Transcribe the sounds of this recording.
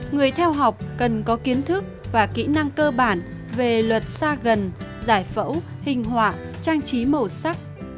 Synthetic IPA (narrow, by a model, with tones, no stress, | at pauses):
ŋɨ˨˩əjt̪ʰɛ˧wɦa˨˩wk͡p̚kə˨˩nkɔ˨˦ki˨˦ənt̪ʰɨ˦˥k̚vaː˨˩kḭ˧˥na˧ŋkəː˧ɓaː˧˩n | ve˨˩lwə˨˩t̚saː˧ɣə˨˩nzaː˧˩jfə̰˧˥whï˨˩ŋ̟ɦwa̰ː˧˨ | t͡ɕaː˧ŋt͡ɕi˨˦mə˨˩sa˦˥k̚